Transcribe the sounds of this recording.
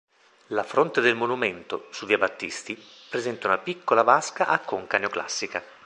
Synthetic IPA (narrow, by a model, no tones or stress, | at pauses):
lafɾont̪ed̪elmonument̪osuviabat̪ːist̪i | pɾezɛnt̪aunapikːolavaskaʔakːoŋkaneokla̰sːika